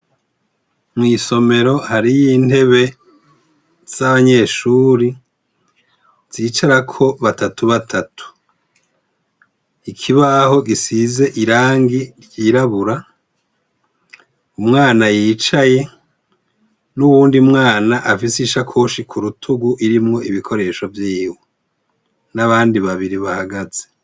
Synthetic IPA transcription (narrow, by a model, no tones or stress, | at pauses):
mŋiːso̞me̞ɾo̞haɾijin̥e̞βe̞ | z̥aβaɲe̞ːʃuːɾi | z̥iːt͡ʃaɾakʰo̞βatatuβatʰatʰu̥ | ikʰiβaho̞ɡisize̞ʔiɾaːŋɡiɾjiːɾaβuɾa | umŋaːnajit͡ʃaje̞ | nuβuːndiumŋaːnaʔafisiʃakʰo̞ːʃikʰuɾutʰuɡuʔiɾimŋo̞iβikʰo̞ɾe̞ːʃo̞vjiːwe | naβaːndiβaβiɾiβahaɡaze